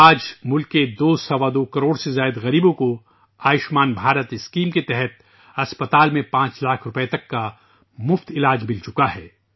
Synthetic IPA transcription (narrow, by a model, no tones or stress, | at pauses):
aːd͡ʒmʊlked̪oːsɐʋad̪oːkɐɾoːɽsezaːɪd̪ɣɐɾiːbõko | aːɪʃmaːnbʱaːɾət̪ɪskiːmket̪ɛɦɛt̪̚ | ɐspət̪aːlmẽpãːt͡ʃlaːkʰɾʊpet̪ɐkːa | mʊft̪ɪlaːd͡ʒmɪlt͡ʃʊkaɦɛː